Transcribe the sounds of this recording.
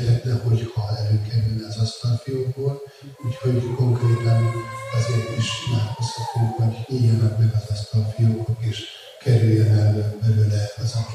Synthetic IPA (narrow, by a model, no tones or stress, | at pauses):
t̪hɛt̪nɛho̞ɟhɒɛløːkɛɾylnɛɒzɒst̪ɒlfijokboːl | uːchoko̞ŋkreːt̪ɒnɒzeːrt̪iʃmaːkoshɒt̪ːuŋkho̞ɟijɒnɒkmɛɡɒzɒst̪ɒlfijoːkok̪eːʃ | kɛɾylːɛnɛlømbɛløːlɛɒzɒk